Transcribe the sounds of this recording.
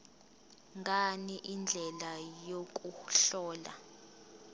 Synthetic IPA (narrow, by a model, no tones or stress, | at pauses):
ŋɡʱaniʔind͡ɮʱɛlajok̬ʼuɬɔːla̰